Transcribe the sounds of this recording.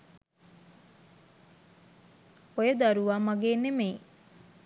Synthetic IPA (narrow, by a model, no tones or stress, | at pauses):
ojəd̪aɾuʋaːmɐɡeːnemeː